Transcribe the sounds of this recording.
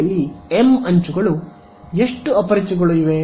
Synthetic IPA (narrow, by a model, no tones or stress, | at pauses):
ɐlːiemɐɲt͡ʃuɡɐɭu | eʂʈuɐpɐɾit͡ʃiɡoɭuiʋe